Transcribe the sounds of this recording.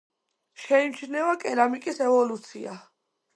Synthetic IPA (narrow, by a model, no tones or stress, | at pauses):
ʃɛimt͡ʃʰnɛvakʼɛlamikʼisɛvɔlut̪sʰḭa